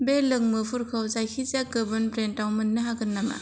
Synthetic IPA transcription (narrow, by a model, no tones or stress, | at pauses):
belɯŋmɯpʰuɾkʰawzajkʰizaɡɯbɯnbɾentawmɯnːɯɦaɡɯnːaŋa̰